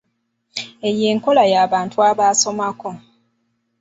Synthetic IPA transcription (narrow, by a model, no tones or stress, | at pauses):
e̞je̞ːŋko̞lajaːβaːntuaβaːso̞mako̞